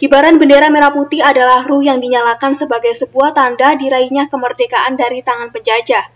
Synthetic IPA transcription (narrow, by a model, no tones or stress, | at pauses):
ɡ̥ibaɾanbəndeɾameɾaput̪iadalahrʊhjaŋdiɲalakansəbaɡajsəbuaht̪andadiɾaiɲakəmərdekaʔandaɾit̪aŋanpəɲd͡ʒad͡ʒa